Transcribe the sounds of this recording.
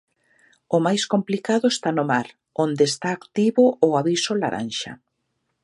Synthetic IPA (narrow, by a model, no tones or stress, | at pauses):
ʊmajskomplikaðʊest̪anʊmaɾ | ond̪eːst̪aːkt̪iβʊʔːaβisʊla̰ɾa̰nʃa̰